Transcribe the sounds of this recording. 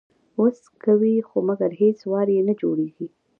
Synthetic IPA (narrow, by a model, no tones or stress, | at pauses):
os | kawixomaɡaɾheswɑɾjenad͡ʒoɽeɡi